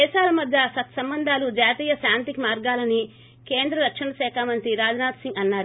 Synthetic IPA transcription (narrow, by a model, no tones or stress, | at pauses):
ɛːʃaːlɐmɐd̪ʱjɐsɐt̪sɐmbɐnd̪ʱaːlud͡ʒaːt̪iːjɐʃaːnt̪ikimaːɾɡaːlɐni | ke̞ːnd̪ɾɐɾɐkʂɐnɐʃɛːkʰaːmɐnt̪ɾiɾaːd͡ʒɐnaːt̪siŋɡɐnːaːɾu